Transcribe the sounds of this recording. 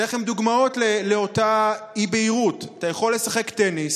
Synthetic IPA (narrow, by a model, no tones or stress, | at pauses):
eaχemd̪uɡmao̞tleleo̞taibeiʁutatajaχo̞lːe̞saχekte̞nis